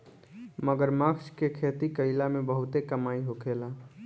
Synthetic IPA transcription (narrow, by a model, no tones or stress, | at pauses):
məɡəɾməkskekʰet̪ikəɪlamebəɦut̪ekəmaiɦokʰela